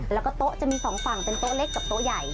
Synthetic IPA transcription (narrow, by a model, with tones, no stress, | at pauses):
lɛː˦˥wkɔː˥˩t̪o˦˥ʔt͡ɕa˨˩ʔmiː˧sɔː˩˦ŋfa˨˩ŋpe˧nt̪o˦˥ʔle˦˥˩kːa˨˩p̚t̪o˦˥ja˨˩j